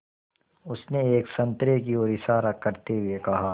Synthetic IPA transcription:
ʊsneeːksɐ̃nt̪ɾekioːɾisaɾəkːɐɾt̪eɦʊekɐɦaː

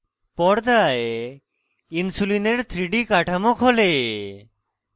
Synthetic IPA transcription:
pɔɽd̪ae | insulineɾt̪ʰɾiɖikaʈʰamokɦole

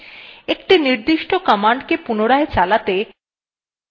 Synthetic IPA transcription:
ekʈiniɾd̪iʃʈokɔmaɳɖkepunoɽaet͡ɕalat̪e

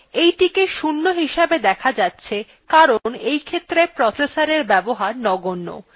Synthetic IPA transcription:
ejʈikeʃunːoɦiʃabed̪ɛkʰad͡ʑatːɕʰe | kaɾonejkʰet̪ːɾepɾɔsesaɾeɾbɛboɦaɾnɔɡonːo̰

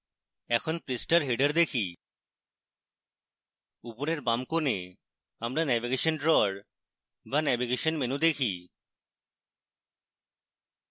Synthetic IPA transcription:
ɛkʰonpɾisʈaɾɦeɖaɾd̪ekʰi | upoɾeɾbamkone | amɾanɛviɡeʃonɖɾɔɾ | banɛbiɡeʃonmenud̪ekʰi

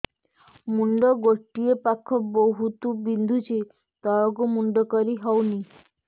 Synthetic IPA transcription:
muɳɖɔɡoʈːiepakʰːɔbɔɦut̪ubind̪ʱut͡ʃʰe | t̪ɔɾɔkumuɳɖɔkɔɾiɦɔwni

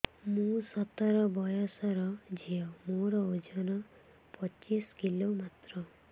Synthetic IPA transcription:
mũsɔt̪ɔɾɔbɔjɔsɔɾɔd͡ʒʱiɔmoɾɔod͡ʒɔnɔ | pɔt͡ʃiskilomat̪ɾɔ

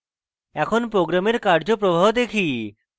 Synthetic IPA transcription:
ɛkʰonpɾoɡɾameɾkaɾd͡ʑopɾobʱaɦd̪ekʰi

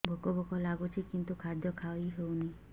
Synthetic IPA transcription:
bʱɔkɔbɔkɔlaɡut͡ʃʰikint̪ukʰaɾd̪jɔkʰaiɦewna

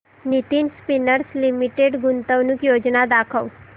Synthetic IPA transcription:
nit̪inspinəɾslimiʈeɖɡunt̪əʋnukjod͡ʒnad̪akʰəʋ

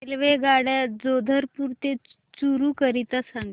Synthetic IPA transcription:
elʋeɡaɽjad͡zod̪ʱəɾpuɾt̪e | t͡suɾuːkəɾit̪asaŋɡ

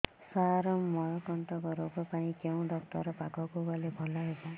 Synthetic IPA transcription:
saɾɔmɔɭɔkɔnʈɔkɔɾowbapãĩkeũɖɔk̚ʈɔ̰ɾɔpaɡɔkubɔlebʱɔlaɦeba

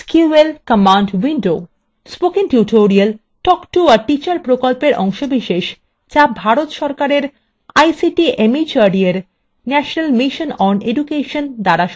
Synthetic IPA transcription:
skuelkəmaɳɖwiɳɖo | spokiŋʈjuʈʰoɾiəl | ʈɔkʈuaɾʈit͡ɕaɾpɾokolpeɾʔɔ̰ŋʃobiʃeʃ | d͡ʑabʱaɾot̪ʃɔɾkaɾeɾ | ajsiʈiʔemit͡ɕaɾɖieɾ | nɛʃonalmiʃonɔneɖukeʃond̪aɾaʃ

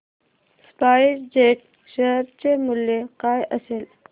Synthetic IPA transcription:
spaiɾd͡ʑeʈ̚ | ʃeɦɾt͡ɕemuljekajʔəsel

